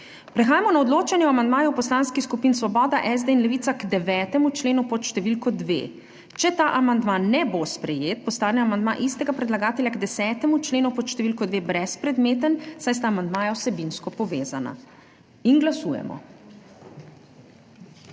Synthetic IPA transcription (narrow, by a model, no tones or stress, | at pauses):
pɾɛxaːjamɔnaɔd̪loːt͡ʃɛnjɛamand̪maːjuwpɔslaːnskixskupiːnsʋɔbɔːd̪aʔɛzd̪einlɛʋiːt̪sakd̪ɛʋɛːt̪ɛmut͡ʃleːnupɔt̪ʃt̪ɛʋilkɔd̪ʋḛː | t͡ʃɛt̪aːʔamand̪manːɛbospɾɛjeːt̪̚pɔst̪aːnɛamand̪ma̰ʔist̪ɛɡapɾɛd̪laɡaːt̪ɛlʲjaɡd̪ɛsɛːt̪ɛmut͡ʃleːnupɔt̪ʃt̪ɛʋilkɔd̪ʋeːbɾɛspɾɛd̪meːt̪ənsajst̪aːmand̪maːjawsɛbinskɔpɔʋeːzana̰ | inɡlasuːjɛ̰mɔ̰